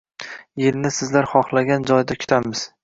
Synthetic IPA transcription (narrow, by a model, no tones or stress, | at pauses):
jelnɪsɪzlaɾχɒχlˠaɡʲand͡ʒɒjd̪akʲʰʊ̥t̪ʰamɪz̥